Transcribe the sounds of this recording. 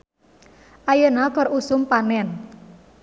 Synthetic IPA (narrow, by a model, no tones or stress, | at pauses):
ʔajənakɔrusʊmpanɛn